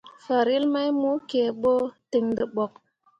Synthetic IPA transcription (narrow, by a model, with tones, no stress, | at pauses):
fa˨ɾi˦lma˦jmu˦ke˨ɓo˦ti˨ŋdə˨ɓo˨k̚